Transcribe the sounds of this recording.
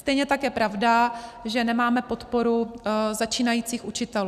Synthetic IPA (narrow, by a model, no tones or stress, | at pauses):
st̪ɛjɲɛt̪akjɛpɾʔavdaʒɛnɛmaːmɛpo̞t̪po̞ɾuzat͡ʃiːnajiːt͡siːxut͡ʃɪt̪ɛlu